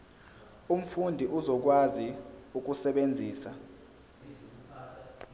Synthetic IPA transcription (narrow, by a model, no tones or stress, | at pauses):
um̩fundʱiʔuzɔk̬waziuk̬ʼusɛɓend͡zʱiːsa